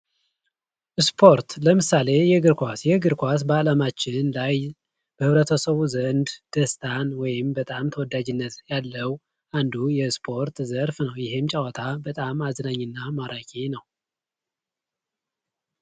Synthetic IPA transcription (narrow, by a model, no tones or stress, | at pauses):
ʔɨspʰo̞ɾt̪ləmɨsale̞jɛɡɨɾkʷasjɛɡɨɾkʷas̬bəalamat͡ʃːɪnlaj | b̥əhɨβɾət̪ʰəsəβuzənd̪d̪̥əst̪ʰanwɔjɪmbət̪ʼamt̪ʰəwɔd̪ːad͡ʒɪnːət̪jalːəw | ʔand̪ujɛspʰo̞ɾt̪zəɾfnəwjɪɦɪmt͡ʃʼawɔt̪ʰabət̪ʼamaznaɲːɨnːamaɾakʼenəw